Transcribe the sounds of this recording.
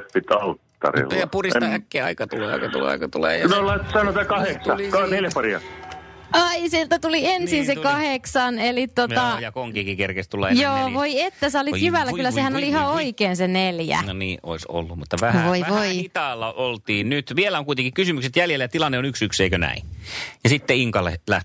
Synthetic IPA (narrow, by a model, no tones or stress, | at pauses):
t̪pit̪ɑlt̪ːɑ̰rḭojɑpurist̪ɑækːeːɑ̰ikɑt̪ulḛːɑ̰ikɑt̪ṵlḛɑ̰ikɑt̪ulḛːjɑnolɑt̪sɑnot̪ɑːkɑheksɑlikɑneljæpɑriɑ̰t | ɑisielt̪æt̪uliensinsekɑheksɑnelitt̪ːot̪ɑjɑkoŋkiːkikerkest̪ulːɑ̰ejoːʋoiet̪ːæsɑolijyʋælːæylːæsehænoliihɑoikeːnseneljæ̰noniːʔo̰iso̰lːumut̪ːɑʋæhʋoiæʋoæiit̪ɑlːɑʔolt̪iːnnyt̪ʋielæoŋkuit̪eŋkikkysymykset̪jæljelːæjæt̪ilɑnːeonyksykseikønæ̰injɑsit̪ːeiŋkɑlːḛlæ̰ht̪